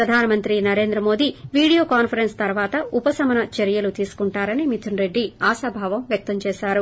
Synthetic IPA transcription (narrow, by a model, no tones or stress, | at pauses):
pɾɐd̪ʱaːnɐmɐnt̪ɾinɐɾeːnd̪ɾɐmo̞ːd̪iʋiːɽijoːkaːnpʰɐɾenst̪ɐɾʋaːt̪ɐupɐsɐmɐnɐt͡ʃeɾijɐlut̪iːsu̥kuɳʈaːɾɐnimit̪ʰunɾe̞ɖːiaːʃɐːbʱaːʋɐmʋjɐk̚t̪ɐmt͡ʃɛːʃaːɾu